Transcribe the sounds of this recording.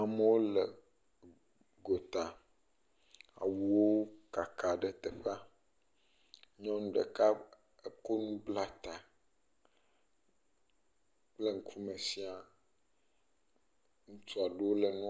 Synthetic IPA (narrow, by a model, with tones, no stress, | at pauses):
a˨me˦wo˦lə˨ | ɡo˨t̪a˨ | a̰˨wu˨wo˦ka˨ka˨ɖɛ˨t̪ɛ˨ɸa˦ | ɲɔ̃˦ñ˦ɖḛ˨ka˦ | e˦ko˦nũ˦bla˦t̪a˨ | k͡ple˦ŋ̩˦kʰu˦mẽ˨si˦a˨ | ŋũ˦t̪u˦a˨ɖe˨˦wo˦le˨nũ˦